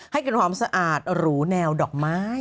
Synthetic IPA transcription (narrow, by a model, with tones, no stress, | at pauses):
ha˥˩jka˨˧˩nkʰwaː˧˥msa˧ʔaː˨˩t̪̚ɾuː˦˥nɛː˧wdɔː˨˩k̚maː˦˥˩j